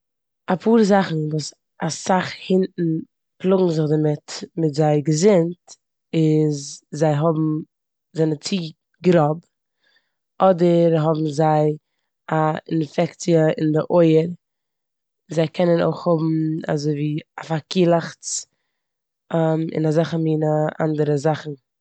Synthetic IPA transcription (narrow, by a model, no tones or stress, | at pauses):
apʰuːɾzaχn̩vuːs | asaχhɪntn̩ | plˠʊɡŋ̩zɪχdamɪtmɪtzaɪɡəzɪnt | ɪzzaɪɦɔbm̩ | zɛnət͡siː | ɡɾɔb | ɔdəɾɦɔbm̩zaɪ | aɪ̰nfɛkt͡siəɪ̰ndɪʔoɪəɾ | zaɪkʰɛnəno̰ɪχhʊbm̩a̰zoɪviːafakiːlˠaχt͡s | amɪ̰nazaχəmiːnəʔa̰ndəɾəzaχn̩